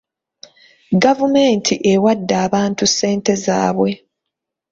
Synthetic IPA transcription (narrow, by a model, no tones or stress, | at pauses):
ɡavumeːntʰiʔe̞wadːaːβaːntusːe̞ːnte̞za̰ːβwe̞